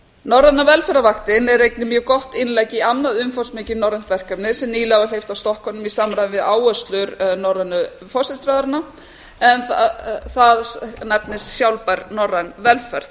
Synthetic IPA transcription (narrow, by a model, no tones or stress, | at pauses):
nɔrːanːavɛlfɛɾavaxt̪ɪnɛɾrejknɪmjœːɣkɔht̪ɪnlaːjcɪamnaðʏmfɔrsmɪːcɪnɔwɾɛn̥t̪vɛr̥kœpnɪ̥sɛmniːlɪaɣalejft̪awst̪ɔhkɔnʏmisamɾajvɪvɪðaːwœst̪lʏɾnɔɾɛnʏ | fɔ̥sɪst̪ɾaðaɾna | ɛnθθaðnɛpnɪssjawlpaɾnɔrːanvɛlfɛɾ̥ð